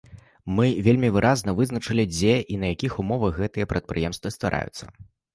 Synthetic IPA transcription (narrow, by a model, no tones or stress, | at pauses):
mɨvʲelʲmʲivɨɾʔaznɐvɨznɐt͡ʂɨlʲid͡zʲeʔinɐjakʲixumɔvɐɣɛt̪ɨjɐpɾɐt̪̚pɾɨjɛmst̪vɐst̪va̰ɾʔa̰jṵt̪sːɐ̰